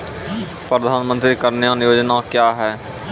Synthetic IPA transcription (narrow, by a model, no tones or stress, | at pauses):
pɾəd̪ʱaːnmə̃nt̪ɾikəɾnejaːnjoːd͡ʒnakjaːɦɛː